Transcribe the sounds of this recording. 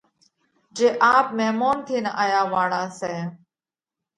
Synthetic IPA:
d͡ʒeːʔaːp̚meːmoːnt̪ʰiːnaʔaːjaːʋaːɽaːseː

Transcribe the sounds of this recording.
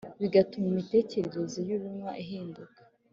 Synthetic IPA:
βiɡatumumite̞ːce̞ɾe̞ɾe̞zijuβumŋwaʔiɦiːndukḁ

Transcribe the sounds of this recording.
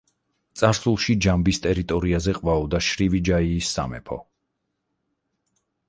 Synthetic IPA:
t̪sʼaɾsulˠʃid͡ʒambist̪ʼɛɾit̪ʼɔɾiazɛqʼvaɔd̪aʃɾivid͡ʒaiːsːa̰mɛ̰pʰɔ̰

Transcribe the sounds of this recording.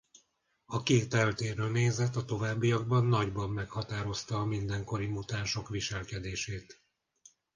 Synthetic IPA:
ɒkeːt̪ɛlt̪eːrøneːzɛt̪ːɒt̪o̞vaːbːijɒɡ̚bɒnːɒɟbɒmːɛkhɒt̪aːɾo̞st̪ɒːmind̪ɛŋko̞ɾimut̪aːnʃo̞kʋiʃɛlkɛd̪eːʃeːt̪

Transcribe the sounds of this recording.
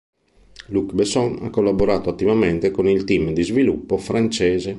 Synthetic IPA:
lukbesɔna̰kːolːaboɾaːt̪oat̪ːivament̪ekonilt̪imd̪izvilupːofɾant͡ʃɛːze

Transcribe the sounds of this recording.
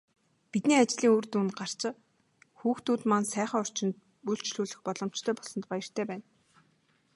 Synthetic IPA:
pit̪niːat͡ɕɮiːŋoːrt̪uːnɢar̥t͡ɕɪ̆ | xuːxt̪uːt̪mansæːχə̆ŋɔr̥t͡ɕɪ̆nt̪̚ | uɬt͡ɕɮuːɮɘ̆xpɔɮɞ̆m̥t͡ɕt̪ʰœːpɔsɞ̆nt̪pajə̆r̥t̪ʰeːpæːn

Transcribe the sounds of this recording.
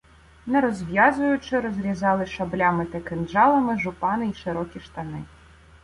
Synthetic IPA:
nɐɾɔzʲvʲjazujut͡ʂɨɾɔzʲɾʲizalˠɨʂablʲamɨt̪ɐkɛndʐalˠɐmɨʐʊpanɨiʂɨɾɔkʲiʂt̪anɨ̰

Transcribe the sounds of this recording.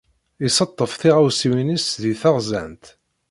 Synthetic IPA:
isɑt̪ˤːəfθiʁawsiwinisðiθɑʁzæ̰nt̪

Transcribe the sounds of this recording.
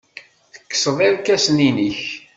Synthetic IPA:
θə̥kːsəðˤiɾkæsninəç

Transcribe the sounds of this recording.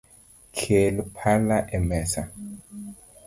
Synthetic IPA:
kʰelupʰalaʔɛmɛsa

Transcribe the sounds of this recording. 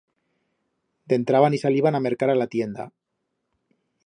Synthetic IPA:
d̪e̞nt̪ɾaβanisaliβaname̞ɾkaɾalat̪je̞nd̪a̰

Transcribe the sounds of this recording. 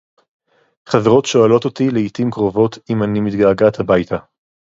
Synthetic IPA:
χaveʁo̞tʃo̞alo̞t̪o̞t̪ileit̪imkʁo̞vo̞t̪ʰimanimit̪ɡaːɡat̪habajt̪ʰa

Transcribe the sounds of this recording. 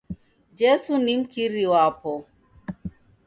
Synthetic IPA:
d͡ʒesunimkiɾiwaːpʰo

